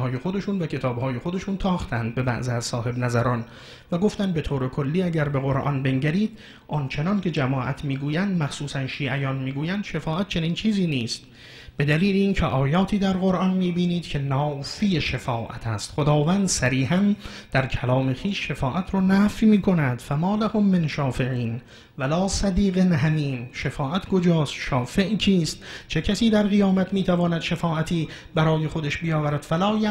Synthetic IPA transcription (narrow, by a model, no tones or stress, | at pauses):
hɒːje̞xo̞d̪e̞ʃuːnvækʰe̞t̪ʰɒːbhɒːje̞xo̞d̪e̞ʃunt̪ʰɒːxt̪ʰænd̪̚be̞bæ̰ʔziæzsɒːhe̞bnæzæɾɒːn | væɡo̞ft̪ænd̪be̞t̪ʰoːɾekʰo̞lːiːæɟæɾbe̞ɣoɾʔɒ̰nbe̞ŋɟæɾiːd̪̥ | ʔɒnt͡ʃʰe̞nɒnkʰe̞d͡ʒæmɒːʔæt̪ʰmiːɡuːjænd̪mæχsuːsænʃiːʔæjɒːnmiːɡuːjænd̪ʃefɒːʔæt̪̚t͡ʃʰe̞niːnt͡ʃʰiːziːniːst̪ | b̥e̞d̪æliːleiːncʰeʔɒːjɒːt̪ʰiːd̪æɾɣo̞ɾʔɒnmiːbiːniːd̪̥kʰe̞nɒːfijeʃefɒːʔæ̰t̪ʰæst̪χod̪ɒːvænd̪sæɾiːhæn | d̪̥æɾkʰælɒːme̞xiːʃːefɒːʔæt̪ʰɾɔːnæfjmiːkʰo̞næd̪̥fæmɒːlæhomːenʃɒːfe̞ʕiːn | vælɒːsæd̪iːɣenɦæmiːmʃefɒːʔæt̪ʰko̞d͡ʒɒːst̪ʃɒːfe̞ʔcʰiːst̪t͡ʃʰe̞cʰæsiːd̪æɾɣijɒːmæt̪miːt̪ʰævɒːnæd̪ʃefɒːʔæt̪ʰiː | bæɾɒːje̞xod̪eʃbijɒːvæɾæd̪̥fælɒːjæ